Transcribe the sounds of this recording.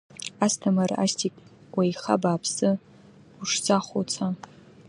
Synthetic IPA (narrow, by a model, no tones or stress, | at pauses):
astʰamara̰stʰikʼ | wajχa̰baːpʰsɨ | uʂt͡sʰʼaχʷot͡sʰa